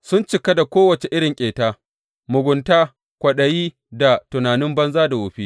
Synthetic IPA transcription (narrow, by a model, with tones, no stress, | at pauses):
sʊ˦nt͡ʃɪ˨kɐ˦da˨kʷoː˦wɐ˨t͡ʃe˨ʔɪ˦ɽɪ˨ŋkʲʼeː˨taː˦ | mʊ˨ɡʷʊ˨ntaː˦ | kʷɐ˨ɗɐ˨jiː˦ | da˨tʊ˨naː˨nɪ˦mbɐ˦nzaː˦da˨wʊ˨ɸiː˦